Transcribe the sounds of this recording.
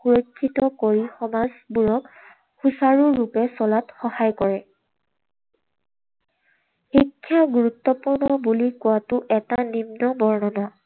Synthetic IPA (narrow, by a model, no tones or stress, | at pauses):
xuɹojkʰːitɔkoɹixɔmazbuɹɔk | xusaɹuːupɛsɔlatxɔhajkɔɹɛ | xikʰːjaɡuɹutːɔpuɹnɔbulikʊwatʊʔɛtanimnɔbɔɹnɔnɔ